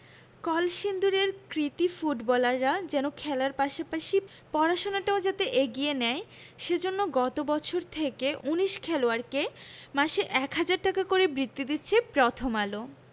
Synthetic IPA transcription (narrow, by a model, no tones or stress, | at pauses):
kɔlʃind̪uɾeɾkɾit̪ifuʈbɔlaɾːad͡ʑɛnokʰɛlaɾpaʃapaʃi | pɔɾaʃonaʈaod͡ʑat̪eʔeɡijenɛe | ʃed͡ʑonːoɡɔt̪obɔt͡ɕʰoɾt̪ʰekeʔuniʃkʰɛloaɾkemaʃeʔɛkɦad͡ʑaɾʈakakoɾebɾit̪ːid̪itːɕʰepɾɔt̪ʰomalo